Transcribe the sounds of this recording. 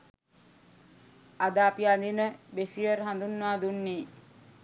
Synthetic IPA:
ad̪aːpiand̪inəbesiəɾɦand̪unːaːd̪unːiː

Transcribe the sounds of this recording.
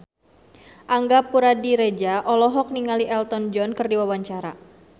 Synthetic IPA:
ʔaŋɡapuɾadiɾed͡ʒaʔɔlɔɦɔk̚niŋaliʔɛlt̪ɔnd͡ʒɔnkɨrdiwawaɲt͡ʃaɾa

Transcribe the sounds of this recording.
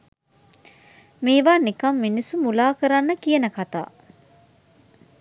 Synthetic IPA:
meːʋaːnikɐmːinisumulaːkəɾanːəkijənəkat̪a̰ː

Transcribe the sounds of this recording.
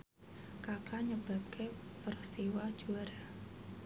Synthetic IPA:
kakaɲəb̥a̤p̚kʰepərst̪iwad̥ʒ̥uaɾa

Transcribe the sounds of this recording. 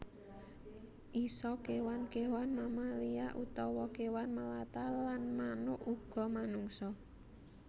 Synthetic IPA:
ʔisɔkewankewanmamaliaʔut̪ɔwɔkewanmalat̪alanmanʊʔuɡ̥ɔ̤manuŋsɔ

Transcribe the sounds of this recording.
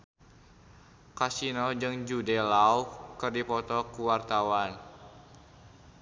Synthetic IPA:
kasinɔd͡ʒɨŋd͡ʒudɛlaukɨrdipɔt̪ɔkuwart̪awan

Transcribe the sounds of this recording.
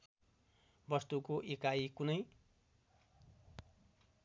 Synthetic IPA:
bʌst̪ukoʔekajkunʌj

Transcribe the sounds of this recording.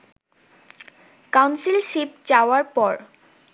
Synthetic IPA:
kawnsilʃipt͡ɕaoaɾpɔɾ

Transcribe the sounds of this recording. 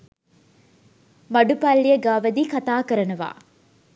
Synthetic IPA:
mɐɖupɐlːijəɡaːʋɐd̪iːkɐt̪aːkəɾɐnuʋa̰ː

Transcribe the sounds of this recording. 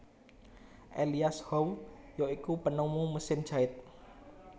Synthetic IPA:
ʔeliashɔwjɔikupənumuməsɪnd̥ʒ̥aɪt̪̚

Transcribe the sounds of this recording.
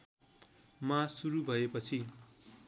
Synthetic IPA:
masuɾubʱʌepʌt͡sʰi

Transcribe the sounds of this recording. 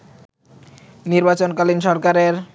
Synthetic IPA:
niɾbat͡ɕonkalinʃɔɾkaɾeɾ

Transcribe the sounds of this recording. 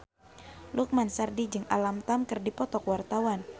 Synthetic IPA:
luk̚mansardid͡ʒɨŋa̰lamt̪amkɨrdipɔt̪ɔkwart̪awan

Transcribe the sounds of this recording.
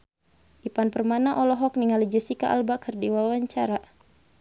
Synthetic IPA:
ʔipanpərmanaʔɔlɔɦɔk̚niŋalid͡ʒəsika̰ʔa̰lbakərdiwawaɲt͡ʃaɾa

